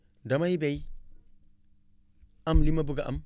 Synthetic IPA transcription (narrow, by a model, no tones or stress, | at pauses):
dɐmajbej | ɐmlimɐbuɡɐʔɐm